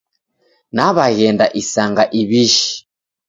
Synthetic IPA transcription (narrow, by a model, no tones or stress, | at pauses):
naβaɣɛndaʔisaŋɡaʔiβiʃi̥